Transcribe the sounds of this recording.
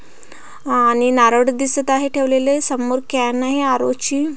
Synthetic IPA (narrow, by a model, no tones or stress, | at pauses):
añinaɾəɽd̪isət̪aɦeʈʰeʋlelesəmːoɾkanaɦiaɾo̰t͡ɕiː